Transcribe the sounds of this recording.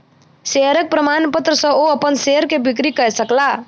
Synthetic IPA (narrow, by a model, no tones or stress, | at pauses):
seɦəɾək̚pɾəmanpət̪ɾəsə̃oəpənseɦəɾkebik̬ɾikəesəkla